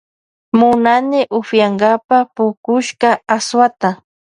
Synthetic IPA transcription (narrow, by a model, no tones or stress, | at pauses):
mʊnanɪʔʊfjaŋɡapapʊkʊʃkaaswat̪a